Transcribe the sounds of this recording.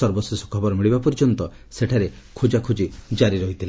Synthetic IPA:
ɔɾbɔsisu̥kʰɔbɔɾmiɭibapɔɾd͡ʒɔnt̪ɔ | seʈʰaɾe | kʰud͡ʒakʰud͡ʒid͡ʒaɾiɾɔɦit̪ʰila

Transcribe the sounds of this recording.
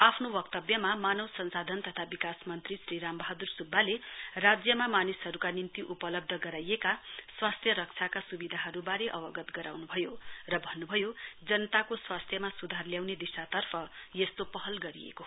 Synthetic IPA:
apʰnobʌkt̪ʌbjʌmamanʌwsʌnsad̪ʱʌnt̪ʌt̪ʰabikasmʌnt̪risriɾambʌɦad̪ursubːalerad͡zjʌmamanisɦʌɾukanint̪iʔupʌlʌb̚d̪ʱʌɡʌɾajekaswast̪ʰjʌɾʌk̚t͡sʰakasubid̪ʱaɦʌɾubaɾeʔʌbʌɡʌt̪ɡʌɾa̰wnubʱʌjorʌbʱʌnːubʱʌjod͡zʌnʌt̪akoswast̪ʰjʌmasud̪ʱarljawned̪isat̪ʌrpʰʌjest̪opʌɦʌlɡʌɾḭjḛko

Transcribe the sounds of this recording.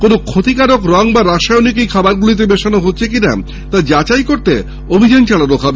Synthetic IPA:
konokʰot̪ikaɾokɾɔŋbaɾaʃajonikejkʰabaɾɡulit̪̬ebeʃanoɦotːɕʰekina̰ | t̪ad͡ʑat͡ɕajkoɾt̪ḛ | obʱid͡ʑant͡ɕaɭanokʰabe

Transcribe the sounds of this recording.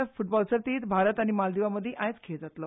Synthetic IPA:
fuʈ̚bɔlsəɾt̪iːt̪bʱaɾət̪aɽ̃imald̪iʋaməd̪ʱːjeʔajt͡skʰed͡zat̪lə

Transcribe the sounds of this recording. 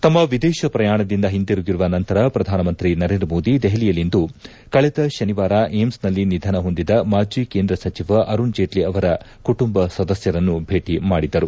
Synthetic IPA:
t̪ɐmːɐʋid̪ɛːʃɐpɾɐjaːɳɐd̪ind̪ɐɦind̪iɾuɡiɾuʋɐnɐnt̪ɐɾɐpɾɐd̪ʱaːnɐmɐnt̪ɾinɐɾeːnd̪ɾɐmo̞ːd̪id̪ɛɦɐlijɐlind̪u | kɐɭɛd̪ɐʃɐniʋaːɾaʔemsnɐlːinid̪ʱɐnɐɦo̞nd̪id̪ɐmaːd͡ʒiːkeːnd̪ɾɐsɐt͡ʃiʋɐʔɐɾund͡ʒeːʈliɐʋɐɾɐkuʈumbɐsɐd̪ɐsjɐɾɐnːubʱe̞ːʈimaːɽid̪ɐɾu

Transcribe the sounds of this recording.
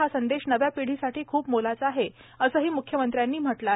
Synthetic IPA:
asənd̪eɕnəʋjapiɽ̤iːsaʈʰiːkʰuːpmolat͡səaɦe | əsəːɦiːmukʰjəmənt̪ɾjanːiːm̤əʈla

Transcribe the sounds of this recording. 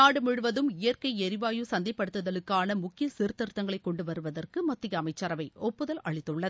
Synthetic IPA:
naːɽɯmʊɻɯʋɐðɯmɪjɐrkɐɪɛɾɪʋaːjɯsɐnd̪ɐɪpːɐɽɯt̪ːɐðɐlɯkːaːnɐmʊkːɪjɐsiɾt̪ːɐɾɯt̪ːɐŋɡɐɭɐɪkːɔɳɖɯʋɐɾɯʋɐðɐrkɯmɐt̪ːɪjɐːmɐɪt͡ʃːɐɾɐʋɐɪɔpːɯðɐlɐ̰ɻɪt̪ːɯɭːɐð

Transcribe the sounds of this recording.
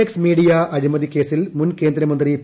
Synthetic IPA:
eksmiːɽijaːʔɐɾimɐðikeːsilmʊnkeːnd̪ɾɐmɐnd̪ɾit̪

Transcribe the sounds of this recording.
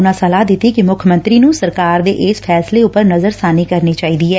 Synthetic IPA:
ʊnãːsəlaːd̪ɪt̪ːiːkimʊkʰəmə̃nt̪ɾiːnũːsəɾkaːɾd̪eːʔɪspʰɛːsleːʊpːəɾnəzəɾsaːniːkəɾniːt͡ʃaːiːd̪iːɦɛː

